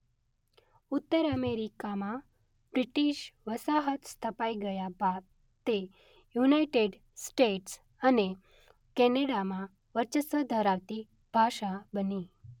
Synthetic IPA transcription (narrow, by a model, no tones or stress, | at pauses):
ut̪ːəɾəmeɾikamã | bɾiʈiʃʋəsaɦət̪st̪ʰəpaiɡəjaba | t̪ːe | junaiʈeɖ | sʈeʈs | əne | kɛneɽamã | ʋəɾt͡ʃəsəd̪ʱəɾaʋt̪i | b̥ʱaʃabəni